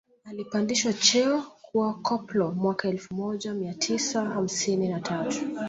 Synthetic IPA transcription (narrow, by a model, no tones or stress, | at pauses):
alipandiʃwat͡ʃɛɔkʰuwakʰɔplɔmwakaɛlfumɔʄamiatʰisaham̩sininatʰatu̥